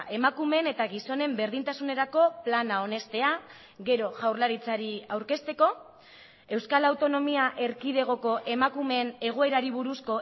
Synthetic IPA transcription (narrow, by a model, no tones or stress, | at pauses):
ʔe̞makume̞ne̞t̪aɣiso̞ne̞mbe̞ɾðint̪asune̞ɾako̞planao̞ne̞st̪e̞a | ɣe̞ɾo̞ʝawɾlaɾit͡saɾiawɾke̞st̪e̞ko̞ | e̞wskalawt̪o̞no̞miaʔe̞ɾkið̞e̞ɣ̞o̞ko̞ʔe̞makume̞ne̞ɣ̞o̞e̞ɾaɾiβ̞uɾusko̞